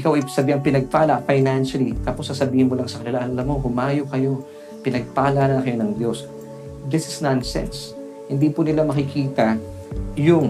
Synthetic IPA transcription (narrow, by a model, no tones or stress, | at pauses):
ʔɪkawʔɐjsɐbiːhɐŋpɪnɐɡ̚paːlɐʔfajnanʃɐlit̪apo̞sːɐsɐbiːhɪnmolɐŋsɐkɐnɪlaʔɐnʔɐlɐmːohʊmaːjokɐjo̞ | pɪnɐɡ̚paːlɐanɐnɐkɐjo̞nɐŋd̪jo̞s | d̪ɪsɪsnansɛ̰ns | hɪnd̪ipʊnɪlamɐkɪkʰiːt̪ɐ | jʊŋ